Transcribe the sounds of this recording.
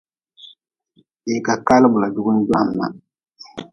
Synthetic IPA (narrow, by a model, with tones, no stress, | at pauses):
e˨ka˨ka˦lɪ˦bʊ˨la˨dʊ˦ɡʊ˦n˦d͡ʒʊ˦ʔa˨mːa̰˨